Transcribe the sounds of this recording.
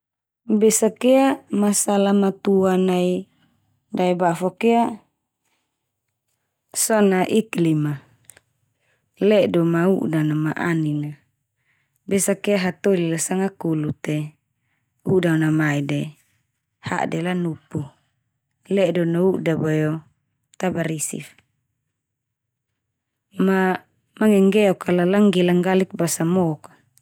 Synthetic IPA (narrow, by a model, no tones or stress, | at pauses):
besakeamasalamat̪uanai | daɛbafokea | sɔnaʔiklima | lɛdomaṵʔdanamaʔanina | besakeaɦat̪olilasaŋakulut̪ɛ | udanamaide | ha̰ʔdɛlanupu | lɛdɔnauʔdabajo | t̪abaɾisḭf | ma | maŋɛŋɡɛɔkalalaŋɡɛlaŋɡalik̚basamɔkḁ